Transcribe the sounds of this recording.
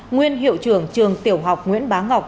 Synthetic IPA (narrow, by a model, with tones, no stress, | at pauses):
ŋwi˧ənɦḭ˧˨əwt͡ɕɨ˧˩əŋt͡ɕɨ˨˩əŋt̪i˧˩əwɦa˨˩wk͡p̚ŋwḭ˧˥ənɓaː˨˦nŋa˨˩wk͡p̚